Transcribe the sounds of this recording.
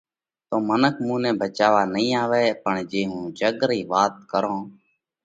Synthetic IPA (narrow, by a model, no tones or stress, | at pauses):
t̪oːmənəkʰmũːnɛ̃ːbʱət͡ʃaːʋaːnəɦĩːaːʋeːpəɳd͡ʒeːɦũːd͡ʒəɠɾiːʋaːt̪̚kəɾõː